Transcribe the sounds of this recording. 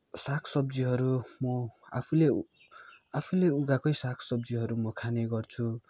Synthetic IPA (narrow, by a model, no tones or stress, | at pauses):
sakʰsʌbd͡ziɦʌɾumʌapʰule | apʰuleuɡakʌjsakʰsʌb̚d͡ziɦʌɾumʌkʰaneɡʌrt͡sʰu